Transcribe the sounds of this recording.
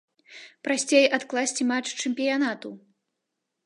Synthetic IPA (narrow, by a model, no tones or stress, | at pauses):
pɾasʲt͡sʲejat̪klˠasʲt͡sʲimat͡ʂt͡ʂɛmʲpʲijanat̪u